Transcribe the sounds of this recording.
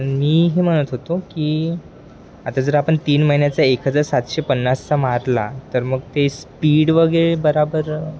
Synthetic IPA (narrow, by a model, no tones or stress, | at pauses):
miːɦeːm̤əɽ̃ət̪ɦot̪oki | at̪ad͡zəɾapəɳt̪iːnməɦinjat͡saekɦəd͡zaɾsat̪ɕepənːast͡samaɾla̰t̪əɾməɡ̚t̪espiːɽʋəɡeɭebəɾabəɾ